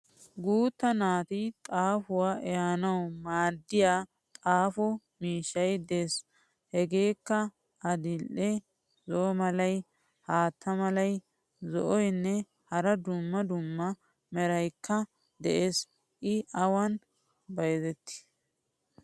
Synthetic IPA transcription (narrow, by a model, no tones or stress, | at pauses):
ɡuːt̪ːɐnaːt̪ɪt̪ʼaːfʊwaːɛjaːnɐwmaːd̪ːɪjaː | t̪ʼaːfɔ | miːʃːɐjd̪eːs | hɛɡe̞ːkːɐ | ɐd̪ɪlʔɛ | zɔɔmɐlɐj | haːt̪ʰːɐmɐlɐj | zɔ̰ʔɔjnːɛ | hɐɾɐd̪ʊmːɐd̪ʊmːɐ | mɛɾɐjkʰːɐ | d̪ɛʔeːs | ʔɪɐwɐn | bɐjzɛt̪ːɪ̥